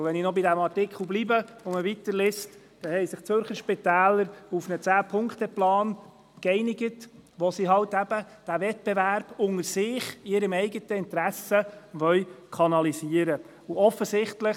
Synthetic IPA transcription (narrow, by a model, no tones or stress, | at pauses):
ʋɛninɔbidæmɑrtɪkʰχl̩blibəʊməvitəɾlɪst | d̥ɛhɛɪsɪχt͡søɾχəɾʃpɪtæːləɾufnət͡sæːpʰʊŋktəplɑːn | kɛɪnɪɡətʋɔsiɦɑltæb̥ə | d̥æʋɛt̚b̥ɛvæɾb̥ʊŋəɾsɪːχɪɾəmɛɪɡətəɪntɾæsəʋœʏkʰɑnɑlisiːəɾə | uɔfːəsɪχtlə